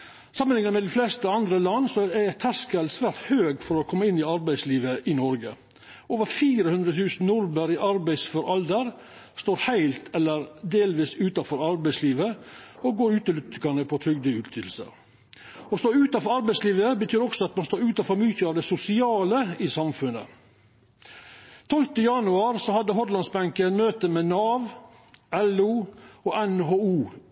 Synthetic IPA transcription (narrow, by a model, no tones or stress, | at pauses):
sɑmənɪŋːəmɛd̪ɪflɛst̪əɑnd̪ɾəlɑnːsɔɛt̪ʰæskəlsʋæːɾt̪høːɡfɔɾɔkʰɔmːəɪnːɪɑɾbæɪsliːʋəʔɪnɔɾɡə̰ | oːʋəɾfiːɾəhʉnd̪ɾət̪ʰʉːsn̩nʊɾbəɾɪʔɑɾbæɪsfɔɾɑld̪əɾ | st̪oːɾhæɪlt̪ʰɛlːəɾd̪eːlʋiːsʉːt̪ɑfɔɾɑɾbæɪsliːʋəoɡoːɾʉːt̪əlʏt̪ɪkɑnəpʰɔt̪ʰɾʏɡ̚d̪əʉːt̪ʰɪlsə̰ɾ | ɔst̪oːɾʉːt̪ɑnfɔɾɑɾbæɪsliːʋəbət̪ʰyːɾɔksɔɑt̪mɑnst̪oːɾʉːt̪ɑfɔɾmʏçəɑʋd̪ɛsʊsɪɑːləiːsɑmfʉnːə̰ | t̪ʰɔlt̪əjɑnʉɑɾsɔhɑd̪ːəɦɔɾlɑnsbæŋkənmøːt̪əmeːnɑːʋ | ʔɛluːoːʔɛnɦoːuː